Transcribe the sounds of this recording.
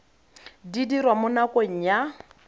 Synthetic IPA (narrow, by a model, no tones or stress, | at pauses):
didirwamʊnakʼoŋ̩ja